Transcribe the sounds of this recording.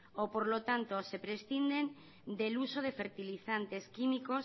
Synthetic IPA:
opoɾlo̞t̪ant̪o̞se̞pɾe̞sθind̪e̞n | d̪e̞luso̞ð̞e̞fe̞ɾt̪iliθant̪e̞skimiko̞s

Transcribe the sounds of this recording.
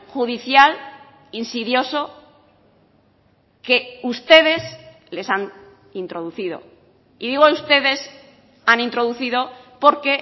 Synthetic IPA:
xuð̞iθjal | insiðjo̞so̞ | ke̞ust̪e̞ð̞e̞s | le̞san | int̪ɾo̞ðuθið̞o̞̰ | iðiɣ̞oaust̪e̞ðe̞s | anĩnt̪ɾo̞ð̞uθiðo̞po̞ɾke̞

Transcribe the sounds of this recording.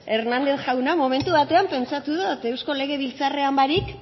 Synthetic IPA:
e̞ɾnand̪e̞θʝawnamo̞me̞nt̪uβat̪e̞ampe̞nt͡sat̪uðot̪e̞wsko̞le̞ɣe̞βilt͡sare̞ambaɾik

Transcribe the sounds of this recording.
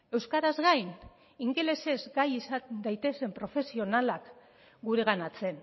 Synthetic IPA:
e̞wskaɾazɣajn | iŋɡe̞le̞se̞zɡajisad̪ajt̪e̞se̞mpɾo̞fe̞sio̞nalak | ɡuɾe̞ɣ̞anat͡se̞n

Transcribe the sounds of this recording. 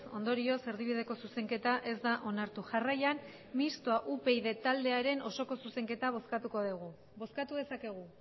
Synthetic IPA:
o̞nd̪o̞ɾio̞se̞ɾðiβ̞ið̞e̞ko̞suse̞ŋke̞t̪aʔe̞zd̪aʔo̞naɾt̪uʝarajan | mist̪oaʔupe̞jðe̞t̪ald̪e̞aɾe̞no̞so̞ko̞suse̞ŋke̞t̪aβ̞o̞skat̪uko̞ðuɣ̞u | βo̞skat̪uð̞e̞sake̞ɣ̞u

